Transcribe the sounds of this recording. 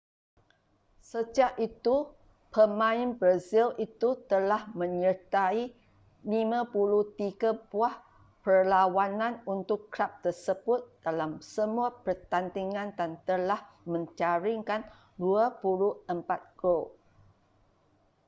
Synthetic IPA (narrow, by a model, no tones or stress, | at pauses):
səd͡ʒaʔit̪u | pəmãinbɾazilit̪ut̪əlahmə̃ɲərt̪ai | limãpuluht̪iɡabuah | pərlawanãnunt̪ʊkːɾap̚t̪ərsəb̥ʊt̪̚d̥alamsəmuapərt̪ant̪iŋãnd̪ant̪əlah | mə̃ɲt͡ʃaɾiŋkan | duapuluəmpat̪̚ɡo